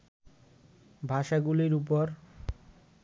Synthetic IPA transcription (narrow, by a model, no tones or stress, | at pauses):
bʱaʃaɡuliɾup̬oɾ